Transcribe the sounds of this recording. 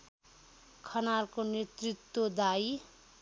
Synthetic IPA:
kʰʌnarkonet̪rit̪wod̪aj

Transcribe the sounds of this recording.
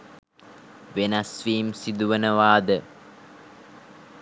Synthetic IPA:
ʋenɐsʋiːmsid̪uʋənəʋaːd̪ə

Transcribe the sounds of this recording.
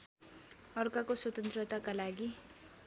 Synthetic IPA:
ʌrkakoswʌt̪ʌnt̪rʌt̪akalaɡi

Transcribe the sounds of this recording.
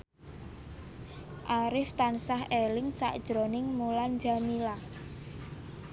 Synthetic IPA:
ʔaɾɪft̪ansaɦʔelɪŋsa̰ʔd̥ʒ̥ɾonɪŋmuland͡ʒamila

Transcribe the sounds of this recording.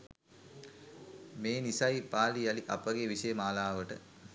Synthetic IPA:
meːnisɐjpaːlijaliʔa̰pəɡeʋisəjəmaːlaːʋəʈə

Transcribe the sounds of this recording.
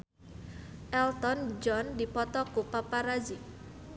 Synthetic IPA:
ʔɛlt̪ɔnd͡ʒɔndipɔt̪ɔkupapaɾazi

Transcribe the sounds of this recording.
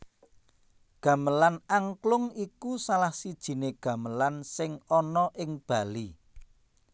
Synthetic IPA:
ɡ̥ä̤məlanaŋklʊŋikusalahsid̥ʒ̥i̤neɡ̥ä̤məlansɪŋɔnɔʔɪŋb̥ä̤li

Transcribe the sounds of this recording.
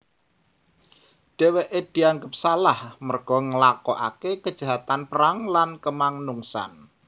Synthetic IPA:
ɖ̥e̤weʔed̥i̤aŋɡəp̚salahmərɡ̥ɔ̤ŋəlakɔʔa̰kekəd̥ʒ̥a̤ɦat̪anpəɾaŋlankəmaŋnuŋsa̰n

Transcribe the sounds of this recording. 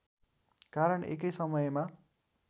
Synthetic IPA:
kaɾʌɳḛkʌjsʌmʌjma

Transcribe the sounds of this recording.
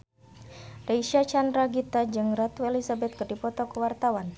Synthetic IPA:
reiʃiat͡ʃandɾaɡit̪ad͡ʒɨŋrat̪wɛlisabɛt̪̚kərdipɔt̪ɔkəwart̪awan

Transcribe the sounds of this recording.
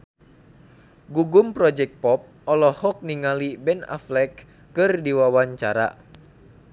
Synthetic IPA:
ɡuɡumpɾɔd͡ʒɛk̚t̪̚pɔp̚ɔlɔhɔk̚niŋalibɛna̰flɛkː | ɨrdiwawaɲt͡ʃa̰ɾa̰

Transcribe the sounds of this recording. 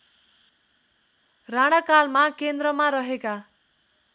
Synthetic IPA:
raɽ̃akalmakend̪rʌmaɾʌɦeka

